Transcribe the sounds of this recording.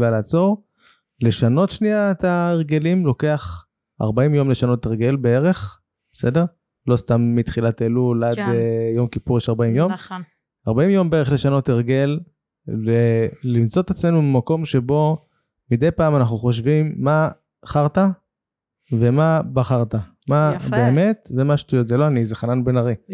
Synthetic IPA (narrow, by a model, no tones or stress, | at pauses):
alaːt͡so̞ʁ | le̞ʃano̞tʃniaet̪aeʁɡe̞limlo̞ke̞aχ | a̰ʁbaimjo̞mle̞ʃano̞teʁɡe̞lbee̞ʁe̞χ | bese̞de̞ʁ | lo̞st̪amːit̪χilat̪elulad̪ejo̞mkipuʁjeʃaʁbaimjo̞m | aʁbaimjo̞mbeeeχle̞ʃano̞teʁɡe̞l | veːimt͡so̞t̪et͡sme̞numimako̞mʃe̞bo̞ | mid̪ejpaːmanaχnuχo̞ʃ̬vimːa | χaʁta | ve̞mabaχaʁt̪a | mabeːme̞tvemaʃtujo̞tzeloanizeχananbenaʁi